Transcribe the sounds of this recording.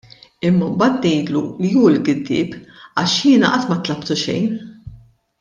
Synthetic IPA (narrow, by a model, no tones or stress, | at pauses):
ɪmːɐmbɐːt̪nɛjd̪lulijuːlɡɪd̪ːɪ̰ːpɐʃjɪːnɐʔɐt̪ːmɐt̪lɐpt̪uʃɛ̰jn